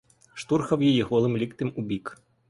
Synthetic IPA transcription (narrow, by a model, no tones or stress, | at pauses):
ʂt̪urxɐwjɛjɛɣɔlˠɨmlʲikt̪ɨmubʲik